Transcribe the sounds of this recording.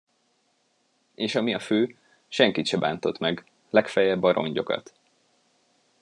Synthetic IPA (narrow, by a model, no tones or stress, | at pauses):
eːʃɒmiɒføː | ʃɛŋkit̪ʃɛba̰ːnt̪o̞t̪mɛɡ | lɛkfɛjɛbːɒɾo̞̰ɲɟo̞kɒ̰t̪